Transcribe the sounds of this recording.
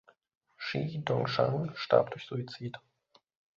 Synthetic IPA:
ʃiːdɔŋʃaŋʃta̰ɐp̚d̥ʊçz̥uit͡siːt

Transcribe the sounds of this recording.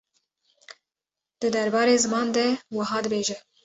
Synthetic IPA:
d̪̥ɨd̪æɾbɑːɾeːzɨmɑːnd̪ɛwəɦɑːd̪ɨbeːʒɛ

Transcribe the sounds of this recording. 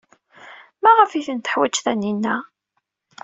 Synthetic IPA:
mæʁəfiθənt̪ə̥ħwæt͡ʃːθænːinːæ

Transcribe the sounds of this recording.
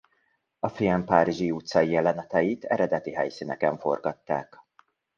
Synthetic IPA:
ɒfiɛmpaːɾiʒiuːt̪sɒiɛlɛnɛt̪ɛjit̪ɛ̰ɾɛd̪ɛt̪iɦɛjsinɛkɛɱfo̞̰rɡɒt̪ːa̰ːk

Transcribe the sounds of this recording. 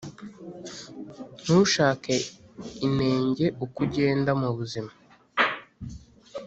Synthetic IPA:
n̥huʃaːkaine̞ːɲɟe̞ukuɟe̞ːndamuβuzima

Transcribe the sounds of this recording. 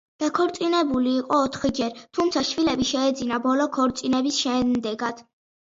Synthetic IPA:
d̪̥akʰɔɾt̪sʼinɛbuliːqʼɔːt̪ʰχid͡ʒɛɾt̪ʰumt̪sʰaʃvilɛbiʃɛːd̪zinabɔlɔkʰɔɾt̪sʼinɛbisʃɛd̪ɛɡad̪̥

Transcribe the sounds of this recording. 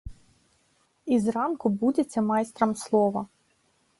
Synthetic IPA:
izrɑnkʊbudʲet͡sʲːɐmɑjst̪ɾɐmslˠɔʋɐ

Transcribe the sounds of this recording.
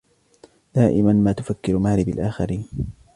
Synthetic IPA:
d̪̥aːʔɪmanmaːt̪ʊfakːɪɾʊmaʕɾɪbalʔaːxaɾiːn

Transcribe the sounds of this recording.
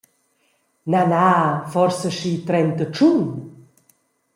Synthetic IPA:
nanafɔɾsəʃit̪ɾɛnt̪ət͡ʃun

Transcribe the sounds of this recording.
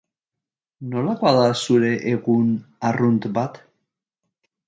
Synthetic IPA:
no̞lakoaðasuɾe̞ʔeɣunarunt̪bat̪

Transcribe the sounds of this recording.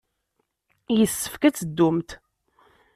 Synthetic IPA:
jəsːə̥fkæt͡sːəd̪ːʊmt̪

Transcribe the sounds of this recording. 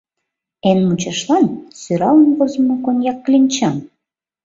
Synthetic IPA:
enmut͡ɕɑʃlɑnsyɾɑlənβozə̆mokonjɑkːlʲinʲt͡ɕɑm

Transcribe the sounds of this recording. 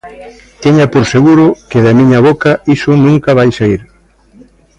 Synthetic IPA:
t̪iɲapoɾseɣuɾʊkɪðamĩɲɐβokɐisʊnũŋkɐβ̞ajsaiɾ

